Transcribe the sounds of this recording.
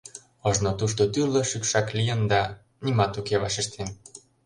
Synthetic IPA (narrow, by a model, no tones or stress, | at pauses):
ɤʒnot̪uʃt̪ot̪yrlɤ̆ʃykʃɑklijə̆nd̪ɑ | nimɑt̪ukeβɑʃiʃt̪ʰen